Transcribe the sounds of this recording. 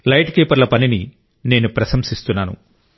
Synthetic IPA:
lɐjʈkeːpɐɾlɐpɐnini | ne̞ːnupɾɐsɐmsist̪unːaːnṵ

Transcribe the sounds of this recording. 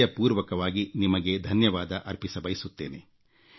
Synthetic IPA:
ɐpuːɾʋɐkɐʋaːɡinimɐɡe̞d̪ʱɐnjɐʋaːd̪ɐʔɐɾpisɐbɐjisut̪ːe̞ːne

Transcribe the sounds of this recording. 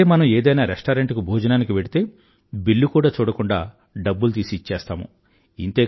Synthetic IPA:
eːmɐnɐmeːd̪ɐjnaːɾesʈaːɾeɳʈkubʱoːd͡ʒɐnaːnikiʋeɽit̪e̞ː | bilːukuːɽaːt͡ʃuːɽɐkuɳɖa̰ː | ɖɐbːult̪̬iːsit͡ʃːɛːst̪aːmṵ | int̪eː

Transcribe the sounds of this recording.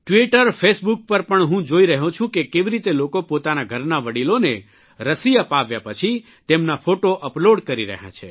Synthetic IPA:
ʈʋiʈəɾfʰesbuk̚pəɾpəɳɦũd͡ʒoiɾəɦũt͡ʃʰũkekeʋiɾit̪elokopot̪anaɡʱəɾnaʋəɽilone | ɾəsiəpaʋjapət͡ʃʰi | t̪emnafoʈoʔəploɖkəɾiɾə̰ɦjã̰t͡ʃʰḛ

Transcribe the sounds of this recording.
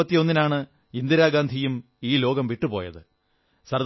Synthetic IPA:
ɐt̪ːijo̞nːinaːɳɨ | ind̪iɾaːɡaːnd̪ʱijum | iːlo̞ːɡɐmʋiʈːupo̞̰ːjɐ̰ðɨ̰ | sɐrd̪

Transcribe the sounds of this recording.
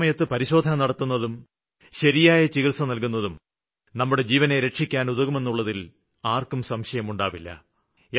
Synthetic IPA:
mɐjɐt̪ːɨpɐɾiɕo̞ːd̪ʱɐnɐnɐɽɐt̪ːunːɐðum | ɕɐɾijaːjɐt͡ɕiɣilsɐnɐlk̬unːɐðum | nɐmːuɽe̞d͡ʑiːʋɐneɾe̞ʂikʲːaːnuðɐɣume̞nːuɭːɐðil | aːrkumsɐmɕɐjɐmuɳɖaːʋilːɐ̰ | e

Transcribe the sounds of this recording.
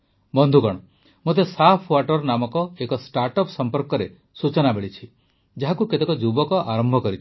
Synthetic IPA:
bɔnd̪ʱuɡɔɽ̃ɔ | mot̪esapʰwaʈɔɾnamɔkɔekɔsʈaɾʈɔpsɔmpɔɾkɔɾe | sut͡ʃɔnabeɭit͡ʃʰi | d͡ʒaɦakuket̪ekɔd͡ʒubɔkɔʔaɾɔmbʱɔkɔɾit͡ʃʰi̥

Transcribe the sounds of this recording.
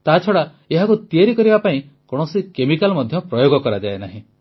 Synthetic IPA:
t̪aɦat͡ʃʰɔɽa | eɦakut̪ieɾikɔɾibapaĩ | kɔɽ̃ɔsikemikalmɔd̪ʱjɔpɾɔjoɡɔkɔɾad͡ʒaena̰ɦĩ

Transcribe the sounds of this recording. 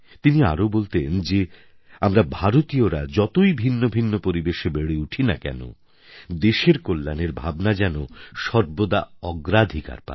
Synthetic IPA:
t̪inia̰ɾobolt̪end͡ʑe | amɾabʱaɾot̪ioɾad͡ʑɔt̪ojbʱinːobʱinːopoɾibeʃebeɽeuʈʰinakɛ̰no̰ | d̪eʃeɾkolːaneɾbʱabnad͡ʑɛnoʃɔɾbod̪aɔɡɾad̪ʱika̰ɾpa̰

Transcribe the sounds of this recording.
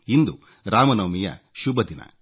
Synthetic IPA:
ind̪u | ɾaːmɐnɐʋmijɐ̰ | ʃubʱɐd̪inɐ̰

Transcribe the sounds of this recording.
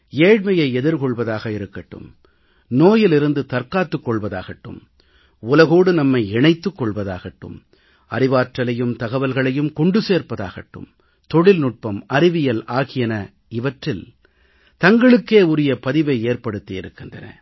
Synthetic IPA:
eːɻmɐjɐɪɛðɪɾkɔɭʋɐðaːɣɐɪɾɯkːɐʈːɯ̰m | noːjɪlɪɾɯnd̪ɯt̪ɐɾkaːt̪ːɯkːɔɭʋɐða̰ːɣɐʈːɯ̰m | ʊlɐɣoːɽɯnɐmːɐɪɛɳɐɪt̪ːɯkːɔɭʋɐðaːɣɐʈːɯ̰m | ɐɾɪʋaːʈrɐlɐjɯmt̪ɐɣɐʋɐlɣɐɭɐjɯmkɔɳɖɯseːɾpɐða̰ːɣɐʈːɯ̰m | t̪ɔɽɪlnʊʈ̚pɐmɐɾɪʋɪjɐlaːɣɪjɐnɐ | ɪʋɐʈrɪl | t̪ɐŋɡɐɭɯkːeːʊɾɪjɐpɐðɪʋɐɪeːrpɐɽɯt̪ːiɪɾɯkːɪndrɐ̰nɐ̰

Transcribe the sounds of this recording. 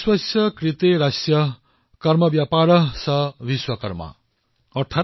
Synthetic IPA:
swʌsjʌkrit̪eɾasjʌ | kʌɾmʌbjapaɾʌsʌbiswʌkʌɾmʌ̰ | ʌʈʰa

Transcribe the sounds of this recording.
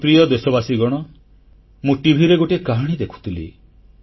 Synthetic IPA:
pɾijɔd̪esɔbasiɡɔɽ̃ɔ | mũʈibʱiɾeɡoʈikaɦaɽ̃id̪ekʰu̥t̪ʰilḭ

